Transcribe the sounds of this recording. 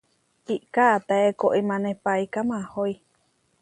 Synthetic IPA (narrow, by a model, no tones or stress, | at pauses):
iʔkat̪aekoʔimãnepaikamãhoi